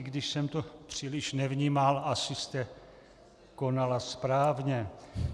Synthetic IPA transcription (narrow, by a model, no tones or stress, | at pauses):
ɡdɪʃsɛmt̪opr̝̥ilɪʃnɛvɲiːmalasɪst̪ɛ | ko̞nalaspɾaːvɲɛ